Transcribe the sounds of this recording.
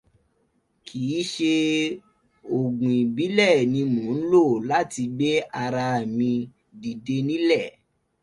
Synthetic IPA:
kʰiː˨˦ʃe˧ | o˨ɡũ˨i˨bi˨˦lɛ˦˨nĩ˧mõ˨˦n̩˦lo˦˨la˦ti˧ɡ͡be˦a˧ɾa˧˨mĩ˧ | di˨de˧nĩ˦lɛ˦˨

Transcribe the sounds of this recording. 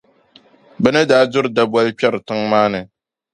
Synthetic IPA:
bɛ˦nɨ˦daː˦dʊ˦ɾɨ˨da˦ba˦lpɛ˦ɾɨ˨tɨ˦ŋmaː˦nɨ˨

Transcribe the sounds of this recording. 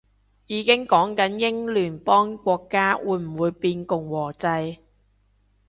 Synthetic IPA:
jiː˨˧kɪ˥ŋkɔː˨˥ŋkɐ˨˦˥njɪ˥ŋlyː˨˩npɔː˥ŋkʷɔː˧kːaː˥wuː˨˥jm̩˨˩wuː˨˧jpiː˧nkʊ˨˩ŋwɔː˨˩t͡sɐ˧j

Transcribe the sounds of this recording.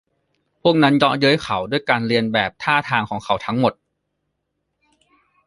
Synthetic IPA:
pʰu˥˩ək̚na˦˥njɔ˦˥jɯ˦˥jkʰa˩˦wdu˥˩əjkaː˧nɾi˧ənbɛː˨˩p̚t̪ʰaː˥˩t̪ʰaː˧ŋkʰɔː˩˦ŋkʰa˨˩˦wt̪ʰa˦˥ŋmo˨˩t̪̚

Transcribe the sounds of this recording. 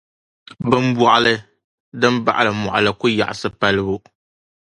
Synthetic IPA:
bɨ˦m˦bɔ˨ʔa˦lɨ˦ | dɨ˦mba̰˦ʔa˨lɨ˨mɔ̰˨ʔa˨lɨ˨kʊ˦ja̰˨ʔa˨sɨ˦pa˦lɨ˦bu˦

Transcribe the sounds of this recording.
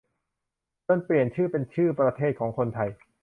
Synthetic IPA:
t̪ɤ˥˩npli˨˩ənt͡ɕʰɯː˥˩pe˧nt͡ɕʰɯː˥˩pɾa˧t̪ʰeː˥˩t̪̚kʰɔː˩˦ŋkʰo˧nt̪ʰa˧j

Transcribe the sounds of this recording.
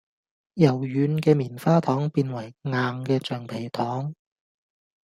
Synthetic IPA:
jɐ˨˩wjyː˨˥nkɛː˧miː˨˩nfaː˥t̪ʰɔː˨˥ŋpiː˧nwɐ˨˩jŋaː˨ŋkɛː˧t͡ʃœː˨˩ŋpʰe˨˩jt̪ʰɔː˨˥ŋ

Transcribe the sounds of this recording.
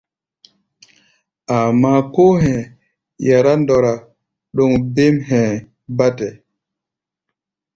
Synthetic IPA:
ʔa˨ma˦kɔ˦hɛ̃˨ | ja˨ɾa˦ndɔ˨ɾa˨ | ɗɔ˨ŋbe˦mɦɛ̃˨ | ba˦tɛ˨

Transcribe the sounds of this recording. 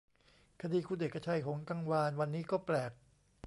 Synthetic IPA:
kʰa˧diː˧kʰuː˧de˨˩kʰːa˧t͡ɕʰa˧jɦo˩˦ŋka˧ŋwaː˧nwa˧nːiː˦˥kɔː˥˩plɛː˨˩k̚

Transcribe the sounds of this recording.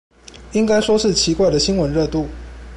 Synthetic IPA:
i˥ŋka˥ɪʂwɔ˥ʂɻ̩˥˩t͡ɕʰi˧˥kwa˥˩ɪd̪ə˩ɕi˥nwə˧˦nɻɤ˥˧t̪u˥˩

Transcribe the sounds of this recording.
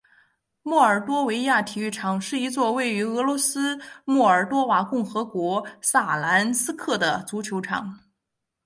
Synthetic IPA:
mɔ˥˩ə˞˨˩t̪wɔ˥we˧˥ɪja˥˩t̪ʰi˨˩y˥˩ʈ͡ʂʰɑ˨˩ŋʂɻ̩˥˩i˧˥t͡swɔ˥˧we˥˩ɪy˧˥ɤ˧˥lwɔ˧˥sɹ̩˥mɔ˥˩ə˞˨˩t̪wɔ˥wa˨˧˩kʊ˥˩ŋxɤ˧˥kwɔ˧˥sa˥˩la˧˥nsɹ̩˥kʰɤ˥˩d̪ə˩t͡su˧˥t͡ɕʰjo˧˥ʊʈ͡ʂʰɑ̰˨˩˦ŋ

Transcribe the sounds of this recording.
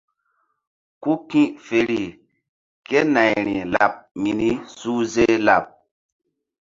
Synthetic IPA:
ku˦kĩ˦ʔfe˨ɾi˨ | ke˦na˨jɾḭ˨la̰˨p̚mi˨ni˦su˦ze˦la˨p̚

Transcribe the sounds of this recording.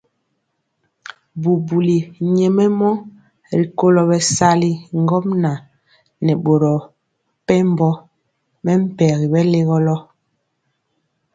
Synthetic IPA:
bu˨bu˨li˨ɲɛ˨mɛ˦mɔ˦ | ɾi˨ko˦lɔ˨bɛ˨sa˦li˦ŋ˦ɡɔ˦m̚na˨ | nɛ˨ɓo˨ɾɔ˨ | pɛ˦m˦bɔ˦ | mɛ˦m̩˦pɛ˨ɣi˨bɛ˦le˦ɣɔ˦lɔ˦

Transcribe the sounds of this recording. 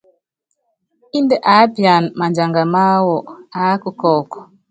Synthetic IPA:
i˦nde˦ʔa˨˦pja˨n˨ma˨nd͡ʒa˨ŋɡa˨ma˦wɔ˨a˨˦ku˦kɔː˨kɔ̥˨

